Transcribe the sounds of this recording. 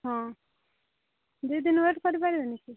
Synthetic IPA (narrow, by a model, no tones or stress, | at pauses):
ɦɔ̃ | d̪ujd̪inʋeʈkɔɾipaɾibeniki